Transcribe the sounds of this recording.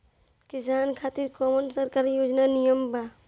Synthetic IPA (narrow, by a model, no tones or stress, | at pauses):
kɪsaːnkʰaːt̪ɪɾkɔːmənsɐɾkaːɾjoːd͡ʒnanijəmba